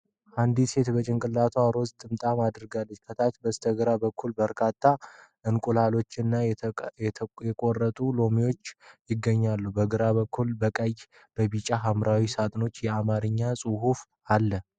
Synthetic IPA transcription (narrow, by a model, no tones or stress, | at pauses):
ʔand̪ise̞t̪bət͡ʃʼɪŋkʼɨlːat̪ʰoaɾo̞zt̪ʼɨmt̪ʼamad̪ɾɡalːəɲkʰət̪ʰat̪bəst̪ʰəɡɨɾabəkʰːulbəɾkʰat̪ʰːaʔɨnkʼulalo̞t͡ʃːɪnːa | jɛkʼorːət̪ʼulo̞mijo̞t͡ʃːjɪɡːəɲːalːubəɡɨɾaβəkʰːulbəkʼəj | b̥əbit͡ʃʼaɦamɾawisat̪ʼno̞t͡ʃːjɛamaɾɨɲːasʼuɦuf | alːə